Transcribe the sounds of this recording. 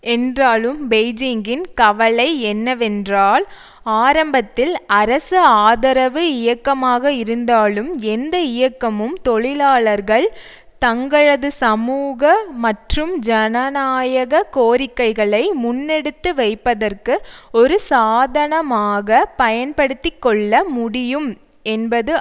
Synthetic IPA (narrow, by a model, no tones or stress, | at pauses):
ɛndraːlɯmbeɛɪd͡ʒɪŋɡɪnkɐʋɐɭɐɪɛnːɐʋɛndraːl | aːɾɐmbɐt̪ːɪlɐɾɐsɯaːðɐɾɐʋɯɪjɐkːɐmaːɣɐɪɾɯnd̪aːlɯmɛnd̪ɐɪjɐkːɐmɯmt̪ɔɭɪlaːɭɐɾɣɐɭ | t̪ɐŋɡɐɭɐðɯsɐmuːɣɐmɐʈrɯmd͡ʒɐnɐnaːjɐɣɐkoːɾɪkːɐɪɣɐɭɐɪmʊnːɛɽɯt̪ːɯʋɐɪpːɐðɐrkɯɔɾɯsaːðɐɳɐmaːɣɐpɐjɐnpɐɽɯt̪ːɪkːɔɭːɐmʊɽɪjɯm | ɛnbɐðɯ